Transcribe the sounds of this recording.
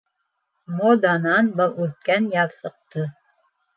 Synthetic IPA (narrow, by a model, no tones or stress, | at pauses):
mod̪ɑnɑnbɤlˠʉɾkænjɑðsɤ̆q̚t̪ɤ